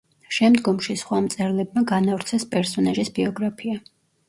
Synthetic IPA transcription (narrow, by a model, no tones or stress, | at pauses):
ʃɛmd̪ɡɔmʃisχwamt̪sʼɛɾlɛb̚maɡanavɾt̪sʰɛspʼɛɾsɔnaʒisbiɔɡɾapʰia